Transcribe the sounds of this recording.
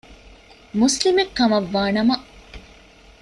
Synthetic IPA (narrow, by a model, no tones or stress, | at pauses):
muslimekːɐmɐʋːaːnɐmɐ